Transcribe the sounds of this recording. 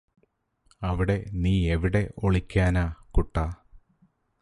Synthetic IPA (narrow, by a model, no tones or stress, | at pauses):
ɐʋiɽe̞niːeʋiɽe̞o̞ɭikʲːaːnaːkuʈːaː